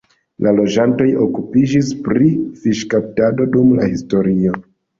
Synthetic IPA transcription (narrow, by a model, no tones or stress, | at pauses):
lʔalo̞d͡ʒanto̞jo̞kupid͡ʒispɾifiʃkap̚tado̞dumla̰histo̞ɾio̞